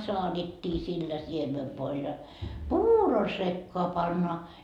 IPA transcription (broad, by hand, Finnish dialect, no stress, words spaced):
soɑd̥etːi silːæ siemeʋːoil jɑ puːro sekːoɑ pɑnːoɑ